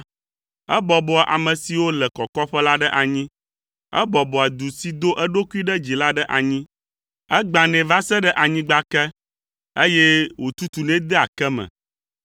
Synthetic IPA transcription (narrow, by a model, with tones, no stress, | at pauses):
ɛ˦bɔ˨bɔ˨ʔa̰˨mɛ̃˨si˨wo˦lɛ˨kɔ˨kɔ˦ɸɛ˦la˦ɖɛ˦ʔa˨ɲĩ˦ | ɛ̰˦bɔ˨bɔ˨a˨d̪u˨si˦d̪o˦ʔɛ˦ɖo˦ku˦i˦ɖɛ˦d͡ʑi˨la˦ɖɛ˦ʔa˨ɲĩ˦ | ɛ˦ɡ͡ba˨nɛ̃˨va˦sɛ˦ɖɛ˦ʔa˨ɲĩ˦ɡ͡ba˦kɛ˦ | e˦jɛ˦wo˨t̪u˦t̪u˨nɛ̃˦d̪ɛ˦a˨kɛ˦mɛ̰̃˨